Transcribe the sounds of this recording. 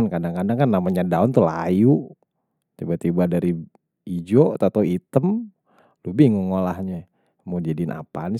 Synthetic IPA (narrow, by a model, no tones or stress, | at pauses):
nkadaŋkadaŋkanːamaɲadaʊnt̪ulaju | t̪ibat̪ibadaɾi | id͡ʒot̪at̪awit̪əm | lubɪhŋoŋolahɲa | mod͡ʒd͡ʒadinʔa̰pani